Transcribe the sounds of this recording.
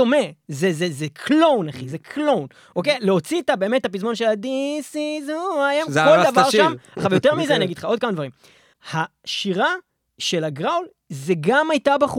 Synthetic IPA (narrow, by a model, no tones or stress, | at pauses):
omezezezekʰlo̞wnaχizekʰlo̞wn | ʔokejleo̞t͡sitabe̞ːme̞tːapizmo̞nʃelad̪isizuajemzold̪avaʁʃʃaamaaχavejot̪̬eʁmizeaniaɡid̪̥χao̞d̪̚kamadvaʁim | haʃiʁa | ʃe̞laɡʁawl | zeɡamajtabaχu